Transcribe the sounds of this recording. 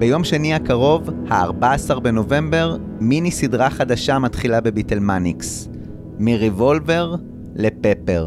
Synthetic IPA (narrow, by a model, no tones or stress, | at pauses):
b̥ejo̞mʃaniakaʁo̞vha̰ːʁbaːsaʁbe̞no̞ve̞mbe̞ʁ | minisidʁaχadaʃamatχilabe̞bite̞lmaniks | miʁivo̞lve̞ʁ | le̞pepeʁ